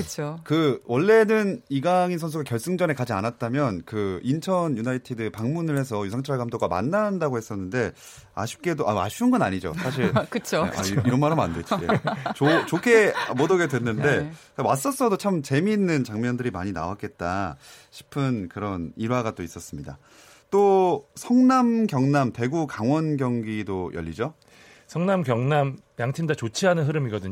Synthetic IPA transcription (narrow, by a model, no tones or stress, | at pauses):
kɯt͡ɕʰokɯwʌɭːe̞nɯniɡaŋinsʰʌns̬ʰuɡakjʌɭs͈ɯŋd͡ʑʌne̞kad͡ʑianat̚t͈amjʌnkɯint͡ɕʰʌnjunaitʰidɯpaŋmunɯɭhe̞s̬ʰʌjusʰaŋt͡ɕʰaɭɡamdoɡama̰nːandaɡohe̞s͈ʌnːɯnde̞ | a̰ɕʰi̥p̚k͈e̞doʔa̰a̰ɕʰiɯnɡʌnaɲid͡ʑo̰sʰaɕ̬ʰiɭkɯt͡ɕʰo̰a̰iɾʌnmaɾɦama̰ndet͡ɕʰiɡet͡ɕot͡ɕokʰe̞modʌɡedwe̞nːɯnde̞kawas͈ʌs͈ʌdot͡ɕʰamt͡ɕe̞miːnːɯnt͡ɕaŋmjʌndɯɾimaɲina̰wat̚k͈e̞t̚t͈a̰ɕʰi̥pʰɯnkɯɾʌniɾwaɡat͈ois͈ʌs͈ɯmɲida̰ | t͈osʰʌŋnamɡjʌŋnamte̞ɡukaŋwʌnɡjʌŋɡidojʌ̰ʎːid͡ʑo | sʰʌŋnamɡjʌŋnammjaŋt͡ɕʰindat͡ɕot͡ɕʰiɦanɯnɦɯɾɯmiɡʌdɯɲ